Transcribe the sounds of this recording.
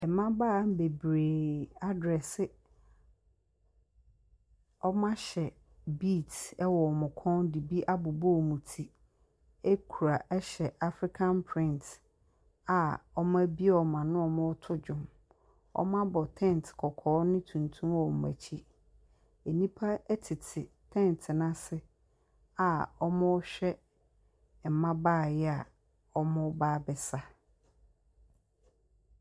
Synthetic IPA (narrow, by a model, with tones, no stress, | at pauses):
ɛ˨mã˦baː˦˨˦m˦be˨bɾeː˨a˦dɾɛ˨sɪ˦ | ɔ˦mã˦ɕɛ˨ | biː˦˨tɛ˦wɔ˨mʊ̃˨kʰɔ̃˦ndi˨bi˦ʔa˦bʊ˨bo˦˨mũ˨tʰi˦ | e˦kʰu˨ɾa˨ʔɛ˦ɕɛ˨ʔa˦fɾi˦kʰã˦npʰɾɪ̃˦nt | a˨ɔ˦mã˦bi˦ɔ˨mã˨nʊ̃˦ɔ˨mʊ̃˦ɔ˦tʰʊ˦d͡ʑᶣʊ̃˨m | ɔ̰˦mã˦bɔ˨tʰɛ̃˦˨n˨tʰkʰɔ˨kʰɔː˨˦nɪ̃˦tʰũ˨ntʰũ˦ɔ˨m̩˨mæ̰˨t͡ɕʰi˦ | e˨nĩ˦pʰa˦ɛ˦tʰɪ˨tʰɪ˨ | tʰɛ̃˦˨n˨tʰɪ˨nã˦sɪ˦ | a˨ɔ˦mʊ̃˦ɕᶣɛ˦ | m̩˨mã˦baː˦˨jɛ˦a˨ | ɔ˦mʊ̃˦baː˦bɛ˨sa˦